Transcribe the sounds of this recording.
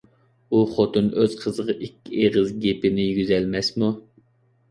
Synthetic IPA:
uχot̪ɨnøz̥qʰəzəʁɑʔikʲːieʁəzɡʲepɪnɪjyɡʲyzɛlmɛsmu

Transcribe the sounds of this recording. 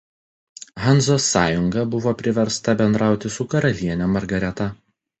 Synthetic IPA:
ɦɐnˑzoːsːɑːjʊŋɡɐbʊʋoːpʲɾʲɪʋʲɛɾst̪ɐbʲɛnd̪ɾɑˑʊt̪ʲɪsʊkɐɾɐlʲiɛnʲomɐɾɡɐɾʲɛt̪ɐ

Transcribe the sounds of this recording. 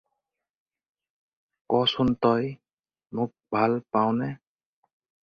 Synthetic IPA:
kɔsunt̪ɔj | mʊk̚bʱalpaw̃nɛ

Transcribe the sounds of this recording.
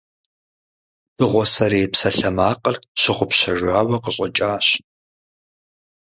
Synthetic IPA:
b̥ɨʁʷɔsɐɾeːpsɐɬɐmaːqʼərɕɪχʷʊpɕɐʒʷaːwɐqəɕʼɐt͡ʃʼaːɕ

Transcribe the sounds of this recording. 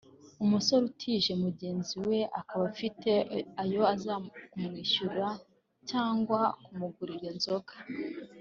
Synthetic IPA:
umuso̞ɾutʰiʒe̞muɟe̞ːnziwe̞ʔakaβafitʰe̞ajo̞azakumŋiːʃuɾa | caːŋɡwakumuɡuɾiɾenzo̞kḁ

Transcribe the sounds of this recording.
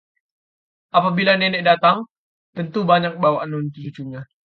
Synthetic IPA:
apabilanɛnɛʔdat̪aŋ | t̪ənt̪ubaɲak̚bawaʔanunt̪it͡ʃuɲa

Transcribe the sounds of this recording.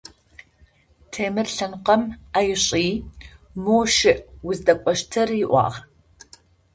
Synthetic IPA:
tʰeːmɨrɬɐnqɐmaːjɪɕʼiːmoːʃɪʔwʊzdɐkʷʼɔʃtʰɐrɪʔʷɑ̰ːʁ

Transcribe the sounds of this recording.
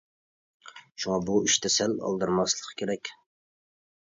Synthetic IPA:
ʃuŋɑbuiʃt̪ʰɛsɛlɑ̰lˠd̪ɨɾmɑslˠə̥qʰkʲʰeɾɛkʲ

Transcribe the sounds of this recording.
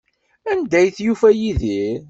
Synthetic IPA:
ænd̪æjθjufæjiði

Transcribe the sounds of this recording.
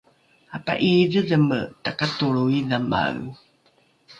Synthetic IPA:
apa̰ʔiðəðəmətakatuɭuiðama̰ɣ

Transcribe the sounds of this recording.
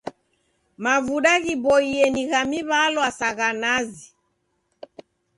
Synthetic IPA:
mavuɗaɣibɔiɛniɣamiβalwasaɣanazi

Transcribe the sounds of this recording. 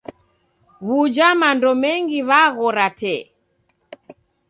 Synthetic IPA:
ɣud͡ʒamandɔmɛŋɡiβaɣɔɾatɛ

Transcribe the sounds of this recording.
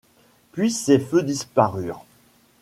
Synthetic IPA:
pɥisefød̪ispaʁyːʁ

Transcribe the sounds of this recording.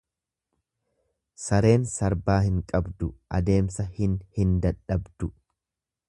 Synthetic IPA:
sɐɾe̞ːnsɐɾbaːhɪŋkʼɐbd̪ʊʔɐ̰d̪e̞ːmsɐhɪnhɪnd̪ɐᶑɐbd̪̥ʊ

